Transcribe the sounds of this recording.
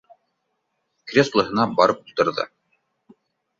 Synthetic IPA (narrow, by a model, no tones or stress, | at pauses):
krʲeslˠɤ̆ɦɤ̆nɑbɑɾɤpulˠt̪ɤ̆ɾðɤ̰